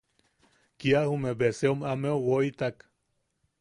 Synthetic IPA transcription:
kiahumebeseomameowoit̪ak

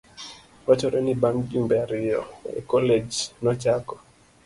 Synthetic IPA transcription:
ɔt͡ʃɔɾɛnibamd͡ʒumbɛaɾɪjɔ̰ḛkɔled͡ʒnɔt͡ʃakɔ̥

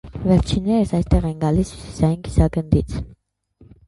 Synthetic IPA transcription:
vɛɾt͡ʃʰinːɛɾəsɑjst̪ɛʁɛnɡɑlisjusi̥sɑjinki̥sɑɡənd̪it͡sʰ

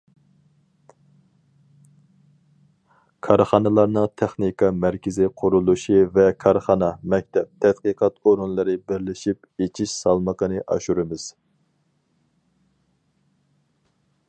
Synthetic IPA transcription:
kʰɑɾχɑnɨlˠɑɾnɨŋt̪ʰɛχnikʰɑmæɾkʲɪzɪqʰʊɾulˠuʃivɛkʰɑɾχɑnɑmɛk̚ʲt̪ʰɛp̚t̪ʰɛt̪̚qəqʰɑt̪oɾunlˠɨɾɨbɪɾlɪʃip | et͡ʃʰiʃsɑlˠməqənɨʔɑ̰ʃuɾɨmɪz̥

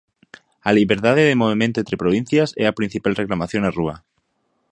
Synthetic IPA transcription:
aliβeɾt̪aðeðemoβ̞imẽnt̪oẽnt̪ɾepɾoβ̞in̟θjasɛapɾin̟θipalreklamaθjonarua

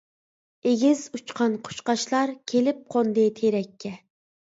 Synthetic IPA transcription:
eɡʲizut͡ʃqʰɑnqʰo̥ʃqɑʃlˠɑɾkʲʰelɪp̚qʰond̪ɨt̪ʰeɾɛkʲʰːɛ

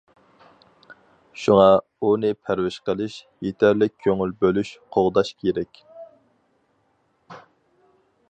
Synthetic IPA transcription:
ʃuŋɑ | unɨpʰæɾwɪʃqəlˠɪʃ | jet̪ʰæɾlɪk̚ʲkʲʰːøŋylbølyʃqʰoʁd̪ɑʃkʲʰeɾɛkʲ

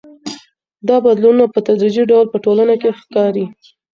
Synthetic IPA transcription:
d̪ɑbad̪lununapət̪ad̪ɾid͡ʒiɖawlpəʈolanakexkɑɾi

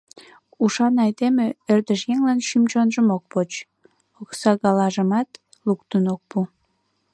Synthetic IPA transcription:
uʃɑnɑjd̪emeørd̪əʃjeŋlɑnʃymt͡ɕonʒəmok̚pot͡ɕ | oksɑɣɑlɑʒəmɑt̪ | lukt̪ənok̚pu

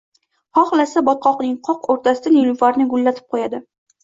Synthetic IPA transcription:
hɒχlasabɒt̪̚qʰɒqnɪŋqʰɒqoɾt̪ʰasɪd̪aniluvaɾnɪɡʊlːat̪ʰɪ̥p̚qʰojad̪ɪ

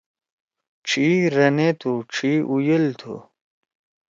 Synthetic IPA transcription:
ʈ͡ʂʰiɾɐnet̪ʰuʈ͡ʂʰiʔujelt̪ʰṵ

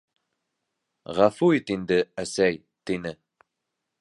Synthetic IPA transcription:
ʁafuit̪ind̪ɘæsæj | t̪inɘ

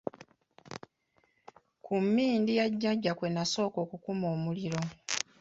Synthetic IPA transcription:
kʰumːiːndijaɟːaɟːakwe̞naso̞ːko̞ːkukumo̞ːmuliɾo̞

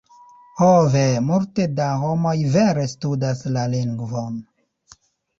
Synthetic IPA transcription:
hovemultedaɦomo̞jveɾe̞studaslaliŋɡvon

